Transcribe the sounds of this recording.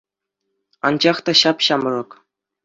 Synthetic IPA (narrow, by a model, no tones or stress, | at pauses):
ɑ̰nd͡ʑɑχt̪ɑɕɑpɕɑmrɤ̆k